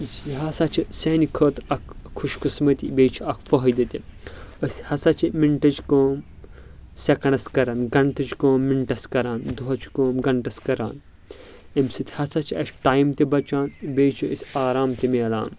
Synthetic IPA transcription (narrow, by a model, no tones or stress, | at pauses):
ziɦɐsat͡ʃʰisɐːnikʰɐːt̪ɐkʰːuʃkɨsmɐt̪ibeːt͡ʃʰiɐkʰfɐɦɐjd̪it̪ʲiəsʲhɐsat͡ʃʰimiɳʈɐt͡ʃkoːm | sʲɐkɐɳɐskɐɾɐnɡɐɳʈɐt͡ʃkoːmːiɳʈɐskɐɾaːnd̪uɦɐt͡ʃʰkoːmɡɐɳʈɐskɐɾa̰ːn | emsɨt̪ʲhɐsat͡ʃʰiɐsʈaːjmt̪ibɐt͡ʃaːnbeːt͡ʃʰiəsʲaːɾaːmt̪imeɐla̰ːn